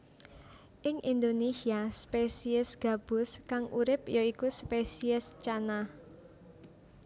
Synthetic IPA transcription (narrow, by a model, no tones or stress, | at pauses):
ʔɪŋʔind̪onesiaspesiɪsɡ̥a̤b̥ʊskaŋʔuɾɪpjoikuspesiɪst͡ʃana